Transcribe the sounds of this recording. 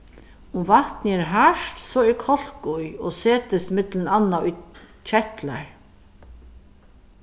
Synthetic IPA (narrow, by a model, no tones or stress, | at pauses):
ʊmvaht̪nɪɛɾɦaʂt̪sɔɛɾkʰɔl̥kʊjɔseːt̪ɪst̪mɪt̪lɪnanːaʊj | t͡ʃʰɛht̪la̰ɹ